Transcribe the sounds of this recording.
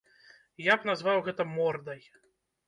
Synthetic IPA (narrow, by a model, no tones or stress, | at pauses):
jabnazvawɣɛt̪ɐmɔrd̪ɐj